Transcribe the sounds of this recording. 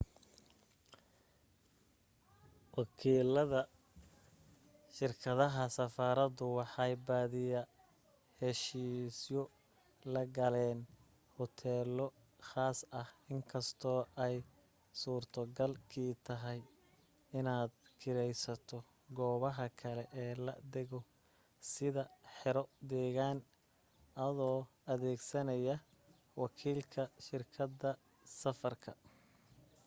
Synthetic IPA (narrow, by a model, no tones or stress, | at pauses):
wɑkʰiːlɐðɐ | ʃɪrkʰɐðɐɦɐsɐfaːɾɐd̪ʊwɑħɑjbaːðɪjɐ | hɛʃiːsjɔ | lɐɡɐlɛːn | hɔt̪ʰɛːlɔ | χaːsɐhɪŋkʰɐst̪ʰɔːʔɛj | suːrt̪ʰɐɡɐlkʰiːt̪ʰɐɦɛj | ɪnaːd̪̚kʰɪɾɛjsɐt̪ʰɔ | ɡɔːβɐɦɐkʰɐlɛʔɛːlɐ̰d̪ɛɣɔ | sɪðɐħɪɾɔd̪ɛːɣaːn | ʔɐðɔː | ɐðɛːɡsɐnɐjɐ | wɑkʰiːlkʰɐʃɪrkʰɐd̪ɐ | sɐfɐrkʰɐ